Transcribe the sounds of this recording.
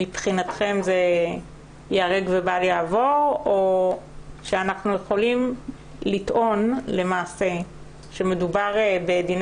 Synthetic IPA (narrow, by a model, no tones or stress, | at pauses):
ipχinat̪χe̞mze | jaʁeɡvebaljaːvo̞ʁo | ʃeanaχnujeχo̞lim | litʔo̞nle̞maːse̞ | ʃeme̞dubaʁbed̪in